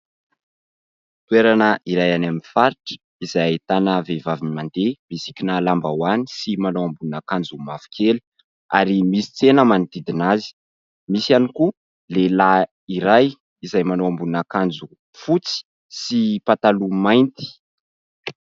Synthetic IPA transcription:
t̪weɾanəiɾajanaminfaɾiʈ͡ʂə̥ | izajait̪anəvevaviimand̪emisi̥kʲinalambawani̥simanowambuunakand͡zumafi̥kʲʰeli̥ | a̰ɾimisi̥t͡senəmanit̪id̪inazi̥ | misianiku | lela | iɾaj | izajmanowambunakand͡zu | fut͡si̥ | sipat̪alumajnt̪i̥

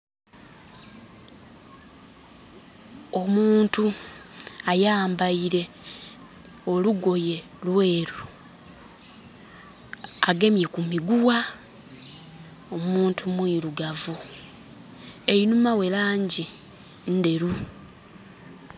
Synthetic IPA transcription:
o̞muːntu | ajaːmbaiɾe̞ | o̞luɡo̞je̞ | lwe̞ːɾu | aɡe̞mje̞kumiɡuwa | omuːntʰumwiːluɡavu | einumawe̞laːɲɟi | n̩de̞ɾu

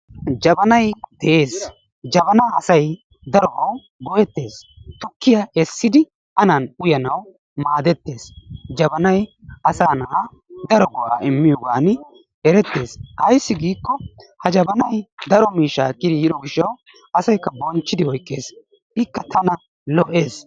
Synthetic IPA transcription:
d͡ʒɐbɐnɐjd̪ɛʔeːs | d͡ʒɐbɐnaːɐsɐj | d̪ɐɾɔʔɐw | ɡɔjɛt̪ːe̞ːs | t̪ʊkːɪjaɛsːɪd̪ɪ | ɐnɐnʊjɐnɐw | maːd̪ɛt̪ːe̞ːsd͡ʒɐbɐnɐjɐsaːnɐʔ | d̪ɐɾɔɡɔʔa̰ːɪmːɪjɔɡaːn | ɛɾɛt̪ːe̞ːsɐjsːɪɡiːkːɔhɐd͡ʒɐbɐnɐjd̪ɐɾɔmiːʃːaːkʼːɪd̪ɪjɪd̪ɔɡɪʃːɐw | ɐsɐjkːɐbɔnt͡ʃːɪd̪ɪhɔjkʼːe̞ːs | ɪkːɐt̪ɐnɐ | lɔʔe̞ːs

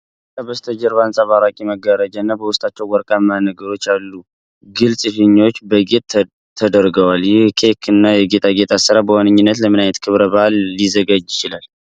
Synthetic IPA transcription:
kabəst̪ʰəd͡ʒɛɾβansʼaβaɾakʼiməɡəɾəd͡ʒanːabəwʊst̪ʼat͡ʃːɛwwɔɾkʼamanəɡəɾot͡ʃːalːu | ɡɨlsʼɨfɨɲːo̞t͡ʃːbəɡet̪ | t̪ʰːəd̪əɾɡəwaljɪhkʰekʰɨnːajɛɡe̞t̪ʼʰaɡe̞t̪ʰʼasɨɾabəwanɨɲːɪnːət̪ləmɨnajət̪kʰɨβɾəβəʔalːizəɡad͡ʒjɪt͡ʃɪlal

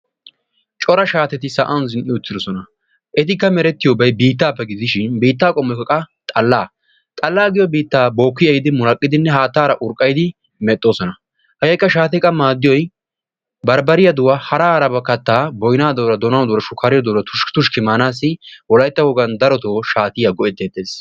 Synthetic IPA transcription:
t͡ʃʼɔɾɐʃaːt̪ɛt̪ɪsɐʔɐnzɪnʔɪʊt̪ːɪd̪ɔsɔnɐ | ʔɛt̪ɪkːɐmɛɾɛt̪ːɪjobɐjbiːt̪ːaːpːɛɡɪd̪ɪʃɪnbiːt̪ːaːkʼɔmːɔkːɐkʼɐt̪ʼɐlːaː | t̪ʼɐlːaːɡɪjɔbiːt̪ːaːbo̞ːkːɪjɐjɪd̪ɪmʊlɐkʼːɪd̪ɪnːɛhaːt̪ːaːɾɐʔʊɾkʼːɐjd̪ɪ | mɛt̪ʼːo̞ːsɔnɐ | hɐjɐjkːɐʃaːt̪ɛkʼɐmaːd̪ɪjɔj | bɐɾbɐɾɪjɐd̪ʊwaːhɐɾaːhɾɐbɐkːɐt̪ːaːbɔjnaːd̪ɔwɾɐd̪ɔnɐnd̪ɔɾɐʃʊkːɐːɾɪjɔd̪ɔwɾɐt̪ʰʊʃt̪ʊʃkɪmaːnaːs̬ːɪwɔlɐjt̪ːɐhɔɡɐnd̪ɐɾɔt̪oːʃaːt̪ɪjɐɡɔʔɛt̪ːeːt̪ːeːs

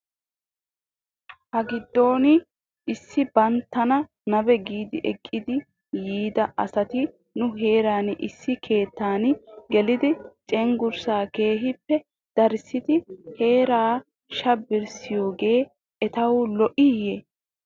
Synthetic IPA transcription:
hɐɡɪd̪ːo̞ːnɪ | ʔɪsːɪbɐnt̪ːɐnɐ | nɐbɛɡiːd̪ɪʔɛkʼːɪd̪ɪ | jiːd̪ɐʔɐsɐt̪ɪ | nʊɦe̞ːɾaːnʔɪsːɪkʰe̞ːt̪ːaːnɡɛlɪd̪ɪt͡ʃʼɛŋɡʊɾsaːke̞ːɦɪpːɛ | d̪̥ɐɾsɪt̪ɪhe̞ːɾaː | ʃɐbɪɾsɪjo̞ːɡe̞ː | ɛt̪ɐwʊlɔʔɪje

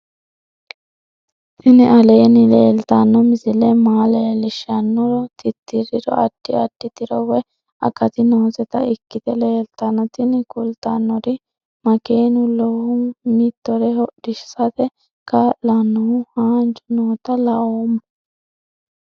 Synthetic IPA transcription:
ʔɪnɪʔɐleːnɪleːlt̪ɐnːɔmɪzɪlɛmaːleːlɪʃɐnːɔɾɔt̪ʰɪt̪ːɪɾɪɾɔ̰ʔɐd̥ːɪɐd̥ːɪt̪ɪɾɔwɛ | ɐ̰kɐt̪ɪnoːzɛt̪ɐɪkːɪt̪ɛleːlt̪ɐnːɔt̪ɪnkʊlt̪ɐnːɔɾɪ | mɐkeːnʊlɔhʊmit̪ːɔɾɛhɔʔdɪʃsɐt̪ɛ | kɐlɐnːɔhʊhaːnt͡ʃʊnoːt̪ɐlɐoːm

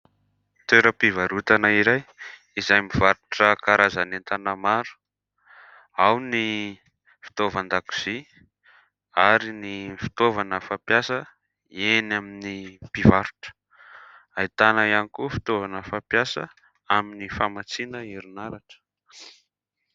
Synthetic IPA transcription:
t̪eɾəpivaɾut̪anaiɾaj | izajmivaɾuʈ͡ʂəkaɾazanent̪anamaɾu̥ | awni | fi̥t̪ovand̪aku̥z̥i | aɾinifi̥t̪ovanəfapjasə | enaminipivaɾu̥ʈ͡ʂə̥ | ait̪anaianikufi̥t̪ovanəfapjasə̰ | aminifamat͡sinəiɾunaɾaʈ͡ʂə̥

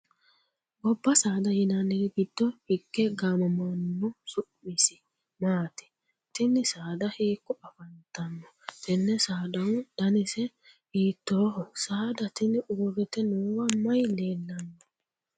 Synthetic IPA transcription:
ɡɔbːɐsaːd̪ɐjɪnɐnːɛɡɡɪd̪̥ːɔhɪɡːɛɡaːmɔmɐnːʊsʊʔmɪsɪ̥ | maːt̪ɪ̥ | t̪ɪnːɪsaːd̪ɐheːkːɔɐfɐnt̪ɐnːɔ | t̪ɪnːɛsaːd̪ɐwd̪̥ɐnɪsɛ | iːt̪ːoːhɔsaːd̪ɐt̪ɪnʊɡɔɡɛt̪ɛnoːwɐmɐjleːlːɐnːɔ

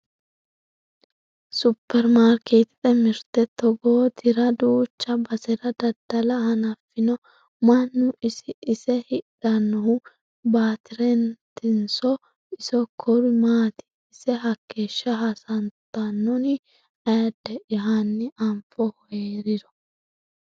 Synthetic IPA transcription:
sʊpːɛɾmaːɾket̪ɪ̥t̪ʼɛmɪɾt̪ɛt̪ːɔɡoːt̪ʰɪɾɐd̪uːt͡ʃːɐbɐsɛɾɐd̪ɐd̪ɐlɐhɐnɐfːɪnɔ | mɐnːʊʔɪsɪʔɪsɛhɪᶑɐnːɔhʊ | baːt̪ɪɾɛnt̪ɪnsɔ | ɪsɔkʰɔɾɪmaːt̪ɪ̥ | ɪsɛɦɐkʰːeːʃːɐɦasɐnt̪ːɐnːɔnɪ | ɐjɐd̪ɛʔɪɦanːɪʔɐmfɔhɔjeɾɪd̪ɔ̥

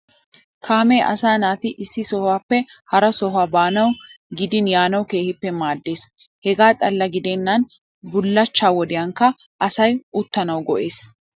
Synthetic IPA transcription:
kʰaːmɛːʔɐ̰saːnaːt̪ɪʔɪsːɪsɔhaːpːɛhɐɾɐsɔɦaːbaːnɐw | ɡɪd̪ɪnjaːnɐwke̞ːhɪpːɛmaːd̪ːe̞ːs | hɛɡaːt̪ʼɐlːɐɡɪd̪enːɐn | bʊlːɐt͡ʃːaːwɔd̪ɪjɐŋkːɐ | ʔɐsɐjʊt̪ːɐnɐwɡɔʔe̞ːs

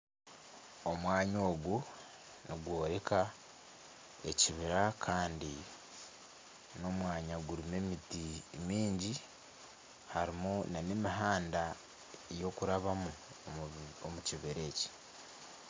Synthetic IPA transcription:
o̞mwaːɲo̞ːɡu | niɡwo̞ːɾeka | e̞ciβiɾakʰaːndi | no̞mwaːɲaɡuɾime̞mitimiːɲɟi | haɾimunanemiɦaːnda | ejo̞kuɾaβamu | omuciβiɾe̞ːci̥

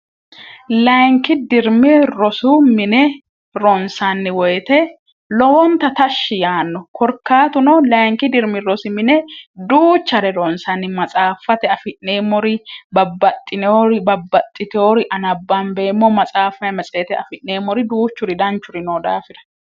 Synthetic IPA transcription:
lɐjŋkɪd̪ɪɾmɪɾɔsʊmɪnɛ | ɾɔnsanːɪwɔjt̪ɛ | lɔwɔnt̪ɐt̪ɐʃːɪjaːnːɔkɔɾkːaːt̪ʊnɔlɐjŋkɪd̪ɪɾmɪɾɔsɪmɪnɛd̪uːt͡ʃːɐɾɛɾɔnsɐnːɪmɐt͡sʼaːfːɐt̪ɛɐfɪʔːeːmːɔɾɪbɐbːɐt̪ʼːɪnɛoɾɪbɐbːɐt̪ʼːɪt̪ɛoːɾɪʔɐnɐbːambeːmːomɐt͡sʼaːfɐjmɐt͡sʼeːt̪ɛɐfɪʔneːmːɔɾɪd̪uːt͡ʃːʊɾɪd̪ɐnt͡ʃːʊɾɪnoːd̪a̰ːfɪɾɐ̥

